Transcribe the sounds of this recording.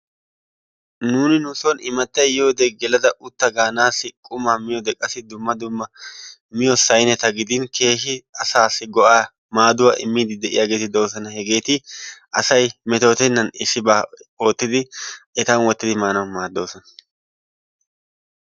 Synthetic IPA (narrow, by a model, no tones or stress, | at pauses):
nuːnɪnʊsɔnɪmɐt̪ːɐjjo̞ːd̪ɛɡɛlɐd̪ɐʔʊt̪ːɐɡaːnaːsːɪkʼʊmɐmɪjɔd̪ɛkʼːɐsɪd̪ʊmːɐd̪ʊmːɐmɪjɔsɐjnɛt̪ɐɡɪd̪ɪnkʰe̞ːʃɪɐsaːsːɪɡɔʔaː | maːd̪ʊwɐʔɪ̰mːiːd̪ɪd̪ɛʔɪ̰jaːɡe̞ːt̪ɪd̪o̞ːs̬ɐnɐhɛɡe̞ːt̪ɪɐsɐjmɛt̪o̞ːt̪ɛnːɐnɪsːɪbaːoːt̪ːɪd̪ɪʔɛt̪ɐnwɔt̪ːɪd̪ɪmaːnɐwmaːd̪ːo̞ːsɔnɐ